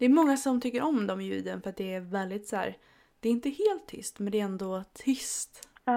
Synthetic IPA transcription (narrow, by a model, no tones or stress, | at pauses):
d̪ɛæɾmɔŋːasɔmt̪ʰʏkːəɾʔɔmd̪ɔmjʉ̟̰ːd̪ənfœɾat̪̚d̪ɛæɾvɛld̪ɪt̪sæ̰ːɾ | d̪̥ɛɾɪnt̪əheːlt̪ʰːʏ̰st̪mɛnd̪ɛæɾɛnd̪ot̪ʰʏst̪